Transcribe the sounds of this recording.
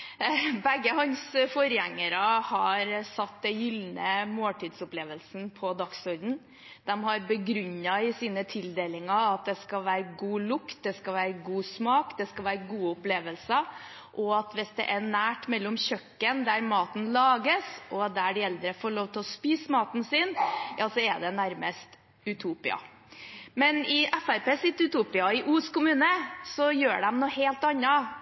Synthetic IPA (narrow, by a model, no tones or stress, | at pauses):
bɛɡːəhɑnsfɔɾjæŋːəɾəhɑɾsɑt̪d̪ɛjʏlnəmoːlʈ̪ʰiːd̪sʊpleːʋəlsn̩pʰɔd̪ɑksɔɾd̪n̩ | d̪̥ɛmhɑɾbəɡɾʏɲːɑɪsiːnət̪ʰɪld̪eːlɪŋɑɑt̪̚d̪ɛskɑʋæːɾəɡuːlʊkt̪̚d̪ɛskɑʋæːɾəɡuːsmɑːkd̪ɛskɑʋæːɾəɡuːʊpleːʋəlsə | ʔɔɑt̪ʋɪsd̪ɛ̰ʔɛnæːʈmɛlːʊmçœkːənd̪æɾmɑːt̪n̩lɑːɡəsɔd̪æɖɪɛld̪ɾəfoːɭoːʋt̪ʰɪlɔspiːsmɑːt̪n̩sɪnjɑːsɔɛɖ̪ɛnæɾməst̪ | ʉt̪ʰuːpɪ̰ɑ̰ | mɛnɪʔɛfæɾpeːsɪt̪ːʉt̪uːpɪɑɪʔuːskʊmʉːnəsɔjøːɖɛmnɔːheːlt̪ɑnːɑ